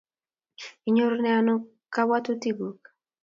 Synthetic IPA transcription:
i˨ɲo˦ɾonɛa˦no˦ | ka˦wa˦tu˦ti˦ɡu˨k

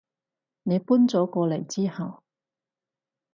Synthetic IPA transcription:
ne˨˧jpuː˥nt͡sɔː˨˥kɔː˧le˨˩jt͡siː˥hɐ˨w

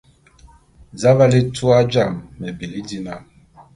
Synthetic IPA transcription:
za˦βa˦li˦tu˦a˦d͡ʒa˦˨mːɛ˨be˨li˦di˦na˦˨

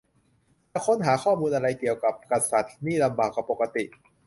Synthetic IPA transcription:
kʰo˦˥˨nɦaː˩˦kʰɔː˥˩muː˧nʔa˧ɾa˧jki˨˩əwka˨˩p̚ka˧sa˨˩t̪̚niː˥˩la˧mbaː˨˩k̚ːaː˨˩pːo˨˩ka˧t̪ḭ˨˩ʔ

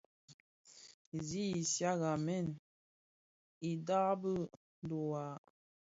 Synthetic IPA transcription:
zi˦i˨sja˦ɣa˨mɛ˦˨n | i˨da˦bə˦ | n˦do˨wa˨

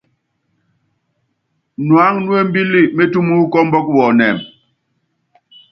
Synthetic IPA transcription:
nwa˨˦ŋnu˦e˦m̩˦bi˦li˦˨me˦tu˦mu˦kɔ˦mbɔ˦kwɔ˨nɛ˨m

